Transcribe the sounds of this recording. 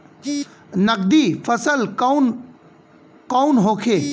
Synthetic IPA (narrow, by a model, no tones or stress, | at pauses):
nək̚d̪ipʰəsəl | kawnɦoːkʰeː